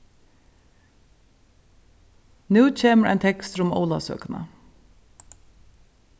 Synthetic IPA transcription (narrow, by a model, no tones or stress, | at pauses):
nʉːc͡çʰeːməɹʔæ̰ɪnt̪ʰɛkst̪ɾʊmo̰ʊlɑsø̰ːknə̰